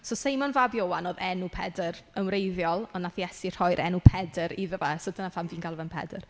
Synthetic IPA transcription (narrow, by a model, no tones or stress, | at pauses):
sɔsejmɔnvabjowanoːðɛnupʰɛdəɾənwrejvjɔlˠɔnːaθjɛsir̥hɔjɾʔɛnupʰɛdəɾiðəvasədənafamviːnkʰalˠvɛnpʰɛ̰dər